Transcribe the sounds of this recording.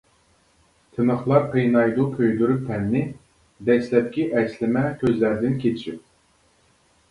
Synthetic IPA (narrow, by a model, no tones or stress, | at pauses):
t̪ʰɨnəχlˠɑɾqʰejnɑjd̪ukʲʰøjd̪yɾyp̚t̪ʰɛnːɪ | d̪ɛslɛp̚kʲiʔɛslɪmɛkʲʰøzlæɾd̪ɪnkʲʰet͡ʃʰʃip̚